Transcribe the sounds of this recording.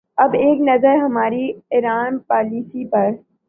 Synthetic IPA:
ɐbeːknɐzəɾɦɐmaːɾiɪɾaːnpaːliːsipɐɾ

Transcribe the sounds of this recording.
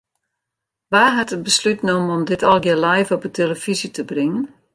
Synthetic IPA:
ʋaːɦatət̚bəslytnomənɔmdɪtɔlˠɡjɪlɛjvɔpətʰeləfizitəbrɪŋən

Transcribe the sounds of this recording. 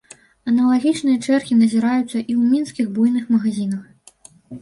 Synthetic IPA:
ɐnɐlˠaɣʲit͡ʂnɨjɐt͡ʂɛrxʲinɐzʲiɾajut̪sːɐʔiwmʲinskʲiɣbujnɨxmɐɣazʲinɐx

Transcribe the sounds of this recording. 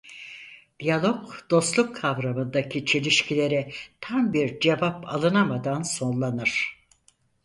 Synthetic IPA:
d̪̥ijalˠo̞kd̪̥o̞st̪lˠukkʰːavɾamɯnd̪acʰit͡ʃʰe̞lʲiʃcʰilʲe̞ɾɛt̪ʰambiɾd͡ʒe̞vapʰa̰lˠɯnamad̪anso̞nlˠanɯɾ̥

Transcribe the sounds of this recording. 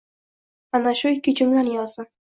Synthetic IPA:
anaʃojkʲɪt͡ʃʰʊmlanjɒzɪ

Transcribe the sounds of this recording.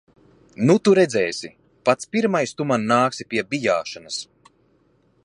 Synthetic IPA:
nut̪uɾɛd̪zɛːsʲi | pat̪spʲiɾmajst̪umanːaːksipʲiɛbʲijaːʃanɨs

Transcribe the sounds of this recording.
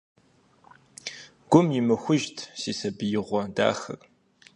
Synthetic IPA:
ɡ̥ʷʊmjɪmɨxʷʊʒtʰsiːsɐbɨjɪʁʷɔda̰ːxɐ̰r

